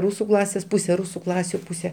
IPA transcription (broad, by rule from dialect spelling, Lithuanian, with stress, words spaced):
ˈruːsʊ ˈklˠɑːsʲeːs ˈpuːsʲɛ ˈruːsʊ ˈklˠɑːsʲʊ ˈpuːsʲɛ